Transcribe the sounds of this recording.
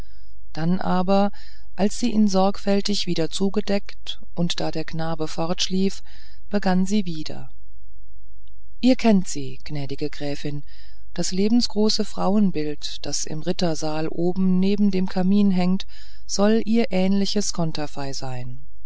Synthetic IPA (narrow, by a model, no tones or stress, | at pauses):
d̥anʔaːbɐ | ʔalsz̥iːʔiːnzɔɐkfɛltɪçv̥iːdɐt͡suːɡədɛkt | ʔʊntd̥aːdeːɐɡnaːbəfɔɐtʃliːf | b̥əɡanziːviːdɐ̰ | ʔiːɐkʰɛntz̥iːɡ̥nɛːdɪɡəɡʁɛːfɪn | d̥asleːbm̩sɡ̥ʁoːsəfʁ̥aʊənbɪlt | d̥asɪ̰mʁɪtɐzaːlʔoːbm̩neːbm̩deːmkʰamiːnɦɛŋt | z̥ɔlʔiːɐʔɛːnlɪçəskʰɔntʰafaɪzaɪn